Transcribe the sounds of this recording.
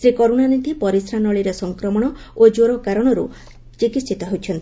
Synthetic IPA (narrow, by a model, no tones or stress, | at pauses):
sɾikɔɾunanit̪ipɔɾisɾanɔɭiɾesɔŋkɾɔmɔɽ̃ɔod͡ʒoɾɔkaɾɔɽ̃ɔɾṵ | t͡ʃikisit̪ɔɦowt͡ʃʰɔnt̪